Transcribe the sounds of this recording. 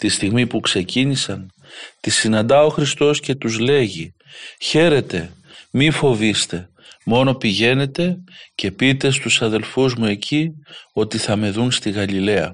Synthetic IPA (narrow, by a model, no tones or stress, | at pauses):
t̪ist̪iɣmipukse̞cinisɐn | t̪isːinɐnd̪ɐo̞xɾist̪o̞sce̞t̪uzle̞ʝi | çe̞ɾe̞t̪e̞ | mifo̞vist̪e̞ | mo̞no̞piʝe̞ne̞t̪e̞ce̞pit̪e̞st̪usɐðe̞lfuzmue̞cʰio̞t̪iθɐme̞ðunst̪iɣɐlile̞ɐ